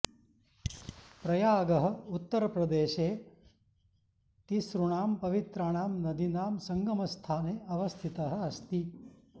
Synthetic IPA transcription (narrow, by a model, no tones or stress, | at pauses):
pɾɐjaːɡɐɦɐ̆ut̪ːɐɾɐpɾɐd̪eːʃeː | t̪isɾuɳaːmpɐʋit̪ɾaːɳ̃aːmnɐd̪inaːmsɐŋɡɐmɐst̪ʰaːneːʔɐʋɐst̪ʰit̪ɐɦɐ̆ɐst̪i